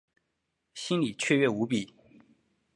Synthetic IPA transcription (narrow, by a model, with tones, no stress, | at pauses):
ɕi˥nli˨˩t͡ɕʰɥɛ˥˧ɥɛ˥˩u˧˥pi˨˩˦